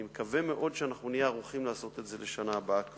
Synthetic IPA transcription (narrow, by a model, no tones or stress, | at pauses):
imekave̞me̞ʔo̞d̪ʃeanaχnunijeaʁuχimlaːso̞t̪e̞tze̞leʃanaːbak